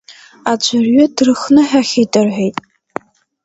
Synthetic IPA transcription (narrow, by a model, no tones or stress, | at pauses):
ad͡ʒʷʰarɥʊdrɨxnɨħaχʲetʼɨrħʷᶣejtʼ